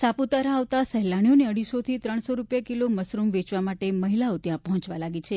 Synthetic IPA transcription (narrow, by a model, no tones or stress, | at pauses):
saput̪əɾaʋt̪asəɦlaɽ̃ijoneəɽisot̪ʰit̪ɾəɳ̃soɾupjakiloməsɾumʋet͡ʃʋamaʈeməɦilaot̪jãpəɦɔ̃t͡ʃʋalaɡit͡ʃʰe